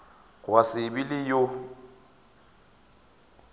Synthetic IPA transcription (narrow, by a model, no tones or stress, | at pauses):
ɣwasɪbɪlɪjo